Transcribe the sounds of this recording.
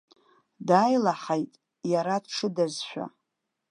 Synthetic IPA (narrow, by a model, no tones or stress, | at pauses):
dajlaħajtʼ | jaɾadʈ͡ʂʰɨdazʃʷᶣa̰